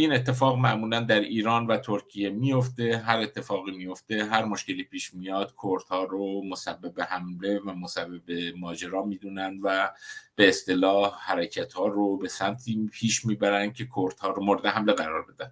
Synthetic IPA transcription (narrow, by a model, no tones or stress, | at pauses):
iːne̞t̪ʰːe̞fɒːɣmæʔmuːlænd̪æɾiːɾɒːnvæt̪ʰoɾcʰije̞mijo̞ft̪e̞ɦæɾe̞t̪ʰːe̞fɒːɣiːmijo̞ft̪e̞ɦæɾmoʃce̞liːpʰiːʃmijɒːd̪̥kʰoɾd̪hɒːɾomosæbːebehæmle̞væmosæbːebemɒːd͡ʒe̞ɾɒːmiːd̪uːnænd̪væb̥eːst̪e̞lɒːhhæɾecʰæt̪hɒːɾobe̞sæmt̪ʰiːpʰiːʃmiːbæɾænd̪̚cʰe̞kʰoɾt̪hɒːɾomoɾed̪eɦæmle̞ɣæɾɒːɾbe̞d̪ænd̥̪